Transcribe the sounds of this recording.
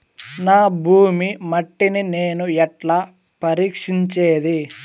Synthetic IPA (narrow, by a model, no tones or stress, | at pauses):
naːbʱuːmimɐʈːinineːnuɛʈlaː | pɐɾiːkʂiɲt͡ʃeːd̪i